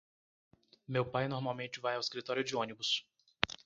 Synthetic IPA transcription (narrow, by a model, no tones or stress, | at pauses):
mewpajnoɾmawmẽnt͡ʃɪvajawɪskɾit̪ɔɾijʊd͡ʒɪõnibʊs